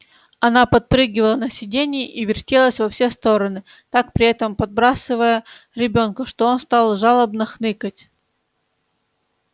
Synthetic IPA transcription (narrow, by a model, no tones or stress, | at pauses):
ɐnapɐt̪̚pɾɨɡʲɪvəlˠənəsʲɪdʲenʲɪjɪʔivʲɪrtʲelˠəsʲvɐfsʲest̪o̞ɾənɨ | t̪ak̚pɾʲɪɛt̪əmpɐd̪̚bɾasɨvəjəɾʲɪbʲo̞nkəʂt̪o̞o̞nst̪alˠʐalˠəbnəxnɨkətʲ